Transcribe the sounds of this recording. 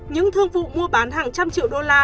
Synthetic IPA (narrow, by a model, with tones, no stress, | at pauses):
ɲɨ̰˧˥ŋt̪ʰɨ˧əŋvṵ˧˨mu˧əɓaː˨˦nɦaː˨˩ŋt͡ɕa˧mt͡ɕḭ˧˨əwɗo˧laː˧